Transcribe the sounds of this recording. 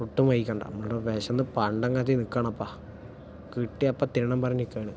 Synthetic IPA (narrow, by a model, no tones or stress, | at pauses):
uʈːumʋɐjikʲːɐɳɖa̰mːɐɭɽoʋeːɕɐnːɨpɐɳɖɐŋɡat̪ːinikːaːɳɐɐpːaː | kiʈːiɐpːat̪iɾɐɳɐmpɐrɐɲːikːɐjɳɨ